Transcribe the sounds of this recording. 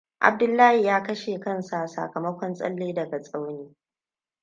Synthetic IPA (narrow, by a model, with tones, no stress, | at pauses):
ʔa̰˨b̚dʊ˦lːaː˦hi˨jaː˦kɐ˦ʃe˨kɐ˦nsa˨sa̰ː˨kɐ˨mɐ˦kʷɔ˦nsʼɐ̰˦lːeː˦dɐ˨ɡa˨sʼa˦wneː˦